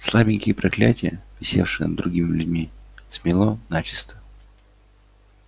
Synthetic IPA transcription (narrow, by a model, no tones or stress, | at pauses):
slˠabʲɪŋʲkʲɪjəpɾɐklʲætʲɪjəvʲɪsʲe̞̰fʂɨjə̰nd̪ɾʊɡʲimʲɪlʲʉdʲmʲismʲɪlˠonat͡ɕɪ̥st̪ə